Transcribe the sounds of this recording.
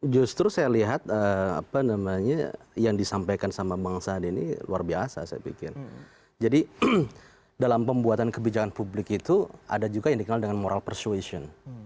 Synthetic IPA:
d͡ʒust̪ɾusajaliɦat̪̚əa̰panamaɲa̰jaŋdisampajkansamabaŋsadinḭluarbiasa̰saja̰pḭkɪ̰r | d͡ʒadi | dalampəmbuat̪ankəbid͡ʒakanpublɪkit̪ua̰dad͡ʒuɡajaŋdikənaldəŋanmoɾʔalpərsuesiɔn

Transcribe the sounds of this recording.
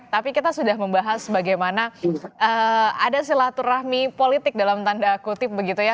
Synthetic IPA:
t̪apikit̪asudahməmbaɦasːəbaɡajmanaʔəadas̬ilat̪urahmipolit̪ɪk̚dalamt̪andakut̪ɪp̚bəɡit̪uja

